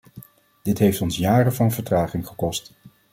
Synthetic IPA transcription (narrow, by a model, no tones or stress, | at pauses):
d̥ɪtɦejftɔnsjaːrəvɑnvəɹtraːχɪŋχəkɔst